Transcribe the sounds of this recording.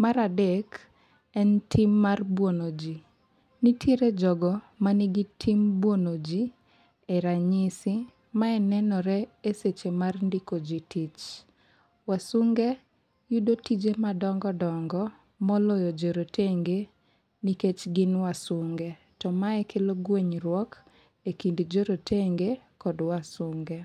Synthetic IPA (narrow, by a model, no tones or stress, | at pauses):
maɾadek | ɛntʰimːarbwonod͡ʒi | nitʰjeɾed͡ʒɔɡɔ | maniɡitʰimbwonod͡ʒi | ɛɾaɲɪsi | maɛnɛnɔɾɛeset͡ʃemarndikod͡ʒitit͡ʃ | wasuŋɡe | judotid͡ʒemadɔŋɡɔdɔŋɡɔ | mɔlɔjɔd͡ʒoɾoteŋɡe | niket͡ʃɡɪnwasʊŋɡe | tɔmaɛkeloɡweɲɾwɔk | ekindd͡ʒoɾotʰeŋɡe | kɔdwasuŋɡe